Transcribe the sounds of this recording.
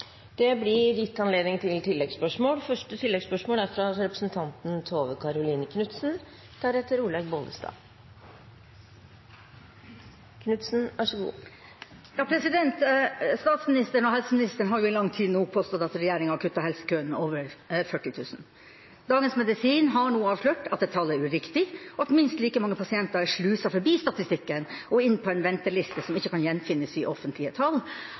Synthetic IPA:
d̪̥ɛblɪjɪt̪ːɑnleːd̪nɪŋt̪ʰɪlt̪ʰɪlːɛɡspœʂmoːlfœʂʈət̪ʰɪlːɛɡspœʂmoːlæɾfɾɑɾɛpɾəsnt̪ʰɑnt̪n̩t̪ʰoːʋəkʰɑɾʊliːnəkʰnʉt̪sn | d̪̥æɾɛt̪ːəɾuːlɛɡboːlə̰st̪ɑ̰ː | kʰnʉt̪sn̩ʔæʂɔɡṵː | jɑːpʰɾɛsɪd̪ɛnt̪st̪ɑːt̪smɪnɪst̪əɳɔɦɛlsəmɪnɪst̪əɳɦɑɾjʊɪlɑŋːt̪ʰiːd̪nuːɡ̚pʰoːst̪ɔd̪ɑt̪ɾɛjæːɾɪŋɑkʰʉt̪ːɑhɛlsə̥kʰøːnoːʋəɾfœʈːɪt̪ʰʉːsn̩ | d̪ɑːɡənsmɛd̪ɪsiːnɦɑɳuːɑːʋʂløːʈɑt̪̚ɛt̪ʰːɑlːæɾʉɾɪkt̪ɪɔɑt̪mɪnst̪liːkəmɑŋːəpʰɑsɪɛnt̪əɾæʂɭʉːsɑfɔɾbiːst̪ɑt̪ɪst̪ɪkːənɔɪnːpʰɔɛnʋɛnt̪əɭɪst̪əsɔmɪçːəkʰɑnjɛnːfɪnːəsɪʔɔfənt̪lɪət̪ʰɑl

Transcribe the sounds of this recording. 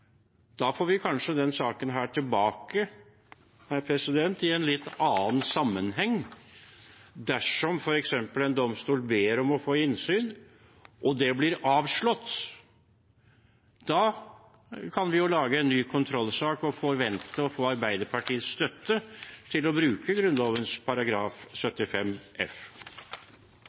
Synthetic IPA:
d̪̥ɑːfoːɾʋɪkʰɑnʂəd̪ɛnsɑːkənɦæːʈʰɪlbɑːkə | hæɾpʰɾɛsɪd̪ɛnt̪ɪɛnlɪt̪ːɑːnsɑmːənɦɛŋː | d̪æʂɔmfɔɾɛksɛmpəlɛnd̪ɔmst̪uːlbeːɾɔmɔfoːɪnsyːn | ʔɔd̪ɛblɪɾɑːʋʂɭɔt̪ː | d̪̥ɑː | kʰɑnʋɪjʊlɑːɡəɛnːyːkʰʊnt̪ʰɾɔlːsɑːkɔfɔɾʋɛnt̪əɔfoːɑɾbæɪd̪əɾpʰɑʈʰiːət̪sst̪œt̪ːət̪ʰɪlɔbɾʉːkəɡɾʉnlɔʋənspʰɑɾɑɡɾɑːfsœt̪ːɪfɛmɛf

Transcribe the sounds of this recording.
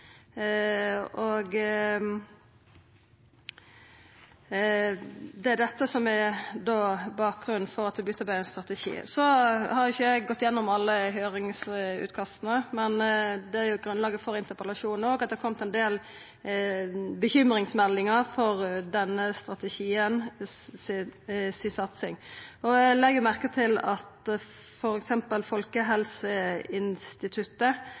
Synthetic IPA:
oɡ | d̪ɛæd̪ɛt̪ːəsɔmæd̪oːbɑːk̚ɡʁʉnn̩fɔɾɑt̪̚d̪ɛbʏt̪ːəbæɛnst̪ɾɑt̪əʃḭːsɔhɑɾjɪçəɛɡɡɔt̪ːɪjɛnːɔmɑlːəɦøːɾɪŋsʉ̰ːt̪kʰɑst̪nəmɛnd̪ɛæɾjʊɡɾʉnlɑːɡəfɔɾɪnt̪əɾpəlɑʂuːnoːɡɑt̪̚d̪ɛɾkʰɔmt̪ɛnd̪eːl | bəçʏmɾɪŋsmɛlːɪŋəfɔʁd̪ɛnːəst̪ɾɑt̪əçiːən | sɪsɑt̪sɪŋɔlɛɡəʊmæʁkət̪ʰɪlɑt̪ | fɔɾɛksɛmpəlfɔlkəɦɛlsəɪnst̪ɪt̪ʰʉt̪ːə

